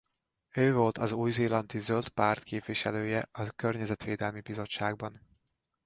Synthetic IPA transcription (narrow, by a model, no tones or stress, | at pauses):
øːvo̞lt̪ʰɒzuːjzeːlɒnt̪izølt̪paːrt̪keːpʋiʃɛløːjɛɒkørɲɛzɛt̪ʋeːd̪ɛlmibizo̞ʃaːɡ̚bɒn